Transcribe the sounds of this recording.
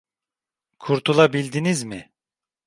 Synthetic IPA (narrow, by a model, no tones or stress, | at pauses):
kʰuɾt̪ʰulˠabilʲd̪inizmɪ